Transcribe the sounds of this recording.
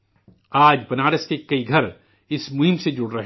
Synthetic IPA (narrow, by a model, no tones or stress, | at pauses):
aːd͡ʒbɐnaːɾəskekɐiɡʱɐɾ | ɪsmʊɦɪmsed͡ʒʊɽɾɐɦ